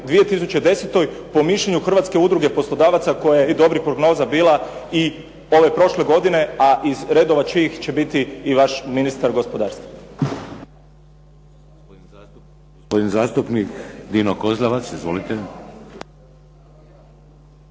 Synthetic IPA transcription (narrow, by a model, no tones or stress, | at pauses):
d̪ʋije̞t̪is̬ut͡ɕe̞d̪e̞set̪o̞jpo̞miʃʎeɲuxr̩ʋat̪ke̞ud̪ɾuɡepo̞slˠo̞d̪aːʋat̪sako̞jajed̪o̞bɾixpɾoɡno̞ːzabiːlˠai | o̞ʋe̞pɾo̞ʃle̞ɡo̞d̪ine̞aʔizɾe̞d̪oʋat͡ʃiːxt͡ɕe̞bit̪iːʋaʃminist̪aɾɡo̞spo̞d̪aːɾst̪ʋa | od̪inzaːst̪upnikd̪iːnokozlˠaʋat̪sizʋo̰lit̪e